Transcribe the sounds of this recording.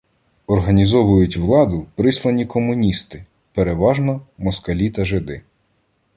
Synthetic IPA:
ɔrɦɐnʲizɔʋʊjʊtʲʋlˠɑd̪ʊpɾɪslˠɐnʲikɔmʊnʲist̪ɪ | peɾeʋɑʒnɔmɔskɐlʲit̪ɐʒed̪ɪ

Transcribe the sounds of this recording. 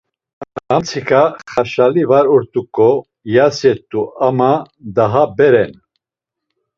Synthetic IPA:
ant͡sʰikʰaχaʃalivaɾɔɾt̪ʼukʼɔ | jasjɛt̪ʼːuama | d̪aɦabɛɾɛn

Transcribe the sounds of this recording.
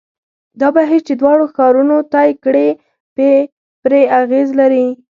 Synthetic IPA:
d̪ɑbaɦiɾt͡ʃed̪wɑɽoxɑɾunot̪ɑjkɽe | pe | pɾeaɣezlaɾi

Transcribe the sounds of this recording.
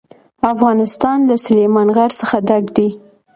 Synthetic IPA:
afɣɑnɪst̪ɑnlasʊlemɑnɣaɾsəxad̪aɡd̪i

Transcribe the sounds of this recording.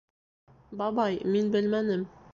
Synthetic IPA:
bɑbɑjminbɘlmænɘm

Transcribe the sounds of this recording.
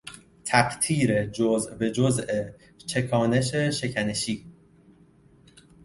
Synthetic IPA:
t̪ʰækt̪ʰiːɾed͡ʒozʔbed͡ʒoze | t͡ʃʰe̞kʰɒːne̞ʃeʃe̞cʰæneʃiː

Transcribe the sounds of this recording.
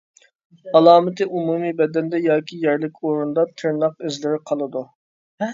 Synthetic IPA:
ɑlˠɑːmɪt̪ɪʔumuːmibɛd̪ɛnd̪ɛjɑːkʲʰijɛɾlɪkʲoɾund̪ɑt̪ʰɪɾnɑq̚ezlɪɾɪqʰɑlˠɨd̪u

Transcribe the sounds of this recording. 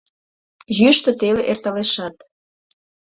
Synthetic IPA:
jyʃt̪ə̆t̪eleʔert̪ɑleʃɑt̪

